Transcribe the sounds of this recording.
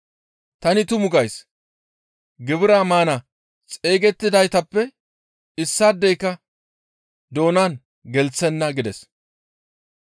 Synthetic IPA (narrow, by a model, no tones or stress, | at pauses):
t̪ɐnɪt̪ʊmʊɡɐjs | ɡɪbɪɾaːmaːnɐ | t͡sʼe̞ːɡɛt̪ːɪd̪ɐjt̪ɐpːɛ | ɪsːaːd̪ːɛjkːɐ | d̪o̞ːnan | ɡɛlt͡sːɛnːɐɡɪd̪ɛs